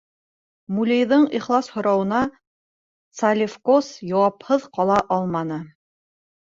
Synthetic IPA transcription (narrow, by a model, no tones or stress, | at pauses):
mulʲĕjðɤɴiχlˠɑshŏɾɑwɤ̆nɑ | t̪salʲɪfkosjɑwɑphɤðqɑlˠɑʔɑlˠmɑnɤ